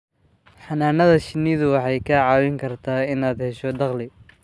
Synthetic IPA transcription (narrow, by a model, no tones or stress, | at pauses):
ħɑnaːnɐðɐʃɪnːɪðʊwɑħɑjkʰɐʕɑːwɪŋkʰɐrt̪ʰaːɪnaːd̪hɛʃɔd̪ɑqlɪ